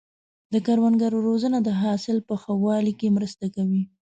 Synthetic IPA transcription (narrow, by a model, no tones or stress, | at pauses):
d̪əkaɾwanɡaɾoɾozənad̪əɦɑsɪlpəxawɑlikemɾəst̪akawi